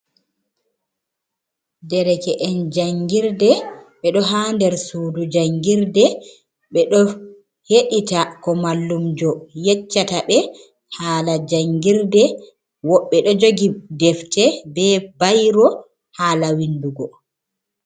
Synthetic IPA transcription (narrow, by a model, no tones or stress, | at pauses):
dɛɾɛkɛʔɛnd͡ʒaŋɡiɾdɛɓɛɗɔɦandɛɾsudud͡ʒaŋɡiɾdɛ | ɓɛɗɔ | heɗitakɔmalːumd͡ʒɔjɛt͡ʃːataɓɛ | haːlad͡ʒaŋɡiɾdɛ | wɔɓːɛɗɔd͡ʒoɡidɛftɛbɛbajɾɔ | haːlawinduɡɔ